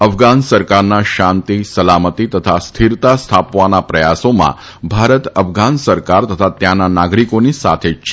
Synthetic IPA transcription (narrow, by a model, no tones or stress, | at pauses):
əfɡansəɾkaɾnaʃãnt̪isəlamət̪it̪ət̪ʰast̪ʰiɾt̪ast̪ʰapʋanapɾəjasomã̰ | bʱaɾət̪əfɡansəɾkaɾt̪ət̪ʰat̪jãnanaɡɾikonisa̰t̪ʰed͡ʒt͡ʃʰ